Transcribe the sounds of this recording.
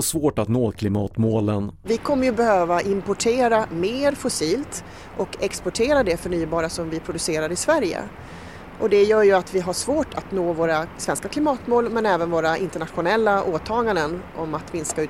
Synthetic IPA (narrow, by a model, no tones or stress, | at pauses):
svoːʈat̪noːkʰlɪmɑːt̪moːlənvɪkʰɔmːəɾjɵbɛhøːvaʔɪmpɔʈʰeːɾameːɾfʊsiːlt̪ | ʔɔkɛkspɔʈʰeːɾad̪ɛfœɳyːbɑːɾasɔmvɪpʰɾʊd̪ɵseːɾad̪əɪsvæɾjə̰ | ʔɔd̪ɛjœːɾjɵat̪vɪɦaʂvoːʈʰat̪noːvoːɾasvɛnskakʰlɪmɑːt̪moːlmɛnɛːvənvoːɾaʔɪnt̪əɳat̪ɧʊnɛlːaʔoːt̪ʰɑːɡand̪ənʔɔmat̪mɪnskaʉ̟ː